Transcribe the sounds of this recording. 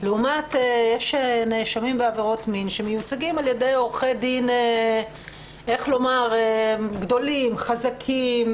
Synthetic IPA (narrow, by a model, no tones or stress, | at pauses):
leumatejeʃeneʃamimbeaveʁo̞tminʃemejut͡saɡimalje̞de̞jo̞ʁχejdine | e̞χlo̞maʁeɡd̪o̞limχazakʰim